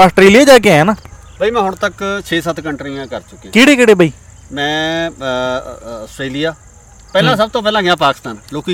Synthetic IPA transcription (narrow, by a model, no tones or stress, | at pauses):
əsʈɾeːlijaːd͡ʒaːk̬ɪɛ̃naː | bʱaːiːmɛ̃ːɦʊɳt̪əkt͡ʃʰeːsət̪ʰkəɳʈɾijãːkəɾt͡ʃʊkːeãːkeːɽeːkɪɽeːbʱaiː | mɛ̃ː | əsʈɾeːlijaː | pɛːlãːsəb̚t̪õːpɛːlãːɡɪjãːpaːkɪst̪aːnloːki